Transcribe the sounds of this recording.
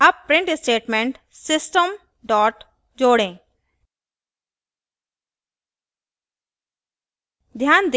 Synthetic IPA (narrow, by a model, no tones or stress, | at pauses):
ɐppɾɪ̃ɳʈɪsʈeːʈmẽɳʈ | sɪsʈəm | ɖɔːʈ | d͡ʒoːɽẽː | d̪ʱjaːnd̪